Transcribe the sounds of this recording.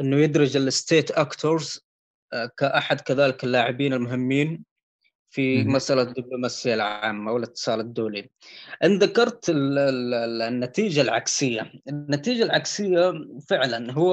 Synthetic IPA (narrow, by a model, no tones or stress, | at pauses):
ʔɪnːʊjɪd̪ɾɪd͡ʒɪlɪst̪eːt̪ʔakt̪ʰoɾz | kaʔaħad̪kaðaːlɪkɪlːaːʕɪbiːnɪlmʊɦɪmːiːn | fimasʔalad̪ːɪblumaːsɪjːalʕaːmːawɪlɪt̪ːɨ̥sˤɑːlɪd̪ːuːli | ʔɪnðakɑɾˤt̪ɪlɪnːat̪iːd͡ʒalʕa̰ksɪjːaɪnːat̪iːd͡ʒalʕaksɪjːafɪʕlanɦʊwː